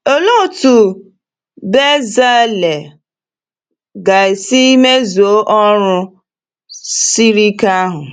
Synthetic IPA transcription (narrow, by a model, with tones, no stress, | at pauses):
o˦lu˦˨tu˨ | be˦za˦le˨ | ɡa˨i˨si˦me˦zu˨o˦ʔɔ˦ɾʊ˦ | si˦ɾi˦ka˦a˦ɦʊ˨